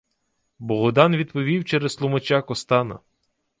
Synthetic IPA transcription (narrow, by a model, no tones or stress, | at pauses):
bɔɦɔd̪ɑnʋʲid̪̚pɔʋʲiwt͡ʃɛɾɛzlˠʊmɐt͡ʃakɔst̪ɑnɐ̰